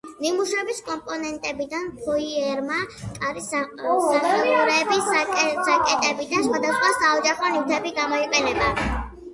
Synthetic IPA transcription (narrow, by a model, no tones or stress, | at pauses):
nimuʃɛbiskʼɔmpʼɔnɛnt̪ʼɛbid̪anpʰɔiɛɾmakʼaɾissaχɛluɾɛbiszakʼɛt̪ʼɛbid̪ansχwad̪asχwasaɔd͡ʒaχɔniwt̪ʰɛbiɡamɔiqʼɛlɛba